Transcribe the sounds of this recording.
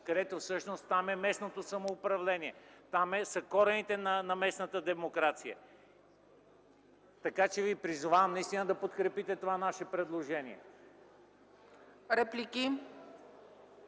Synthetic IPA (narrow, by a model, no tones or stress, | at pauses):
kɐd̪ɛt̪ofsɤʃnost̪ːamɛmɛsnot̪osɐmoːpɾɐvlɛniɛt̪amɛsəkɔɾɛnit̪ɛnɐnɐmɛsnət̪əd̪ɛmokɾat̪sijə̰ | t̪ɐkat͡ʃɛvipɾizʊvavɐmnɐist̪inəd̪ɐpot̪kɾɛpit̪ɛt̪ovanaʃɛpɾɛd̪lˠoʒɛnḭɛ | ɾɛpliki